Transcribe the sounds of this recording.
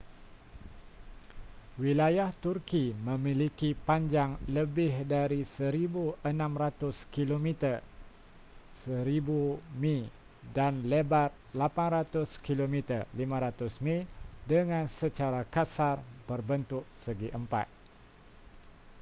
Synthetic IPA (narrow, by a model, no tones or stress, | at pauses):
wilajaht̪urkimə̃milikipaɲd͡ʒaŋləbɪɦdaɾisəɾibuənãmrat̪ʊskilomit̪ər | səɾibumĩ | danlebat̪̚lapanrat̪ʊskilomit̪ərlimãɾat̪ʊsmĩdəŋãnsət͡ʃaɾakasarbərbənt̪ʊʔsəɡiʔəmpa̰t̪̚